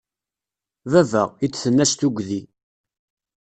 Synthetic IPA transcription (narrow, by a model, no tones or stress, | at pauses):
vævə̰ʁit͡sːθənːæst̪uɡʷði